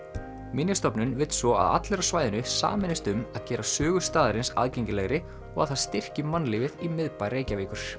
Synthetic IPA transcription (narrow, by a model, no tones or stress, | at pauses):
mɪnjʏst̪ɔpnʏnvɪt̪svɔa̰ða̰t̪lɛɾḁsvaːjðɪnʏsa̰ːmɛnɪst̪ʏmaðcɛːɾasœːɣʏst̪aːðɪɾɪnsa̰ðcejɲcɪlɛɣɾɪ | ɔɣa̰ðθast̪ɪr̥cɪmanːlɪvɪðimɪðpajɾeːjcaviːkʏɾ̥